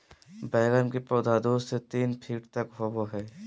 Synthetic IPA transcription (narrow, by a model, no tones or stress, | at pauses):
bɛːlənkepɔːd̪aːd̪oːsset̪iːnpʰiːʈt̪ɐkɦoːboɦɛː